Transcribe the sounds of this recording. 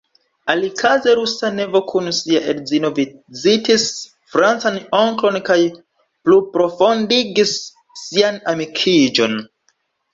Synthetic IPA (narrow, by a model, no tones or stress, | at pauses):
alikʰazeɾusane̞vo̞kʰunsiaʔeɾzino̞vizitis | fɾant͡sano̞ŋklo̞nkaj | plupɾo̞fo̞ndiɡisː | ianamikʰid͡ʒo̞n